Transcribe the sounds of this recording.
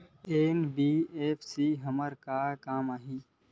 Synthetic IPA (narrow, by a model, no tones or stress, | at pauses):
eːnbiːeːpʰsiːɦəməɾkakaːmaːɦĩː